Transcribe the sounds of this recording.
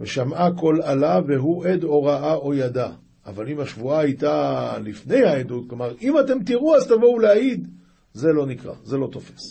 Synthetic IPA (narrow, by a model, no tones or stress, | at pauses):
veʃamako̞lalaveɦuʔe̞d̪o̞ʁaʔao̞jada | ʔːvalimaʃvuaajtalifne̞jhaedud̚klomaʁimate̞mt̪iʁuazt̪avo̞wleaid̪ | ze̞lo̞nikʁa̰ze̞lo̞t̪o̞fes